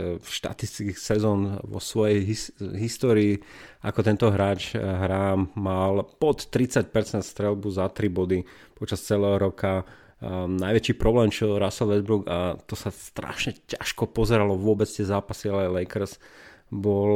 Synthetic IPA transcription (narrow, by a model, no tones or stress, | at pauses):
fʃt̪a̰t̪ist̪ikixsɛzɔːnʋɔ̰sʋɔjɛjɦiɦist̪ɔːɾiːʔakɔt̪ɛnt̪ɔɦɾaːt͡ʃɦɾaːmːalpɔt̪ːɾit͡sac̚pɛɾt͡sɛnt̪st̪ɾɛlbuzat̪ɾibɔd̪i | pɔt͡ʃast͡sɛlɛːɦɔɾɔka | naɪjʋɛt͡ʃiːpɾɔblɛːmt͡ʃɔɾasɔl̩ʋɛzbɾuɡat̪ɔsast̪ɾa̰ʃɲɛca̰ʃkɔpɔzɛɾalɔʋʊɔbɛt͡st̪ɪɛzaːpasialɛjlɛɪkɛɾs | bɔl